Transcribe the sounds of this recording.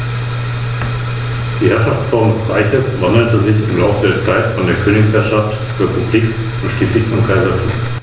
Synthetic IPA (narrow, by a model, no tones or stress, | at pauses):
d̥iːhɛɐʃaft͡sfɔɐmdɛsʁaɪçəsvandəl̩təzɪçɪmlaʊfədeːɐt͡saɪtfɔndeːɐkʰøːnɪçshɛɐʃaftt͡suːepʰubliːk | ʊntʃliːslɪçt͡sʊmkʰaɪzɐtʰṵːm